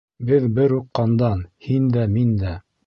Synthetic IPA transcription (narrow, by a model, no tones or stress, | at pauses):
bɘðbɘɾuqːɑnd̪ɑnhind̪æmind̪æ